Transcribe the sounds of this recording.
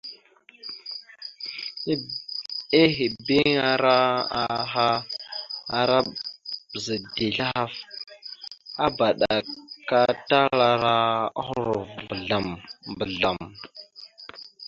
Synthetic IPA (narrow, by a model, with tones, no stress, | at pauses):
i˦ɦi˨bi˦ŋa˨ɾa˦a˨ɦa˦ | a˨ɾa˦bzə˨di˨ɬa˦a˦f | a˦ba˨ɗa˨ka˦ta˦la˨ɾa˦a̰˦xɾo˨vbə˨ɮa˨mbə˨ɮa˨m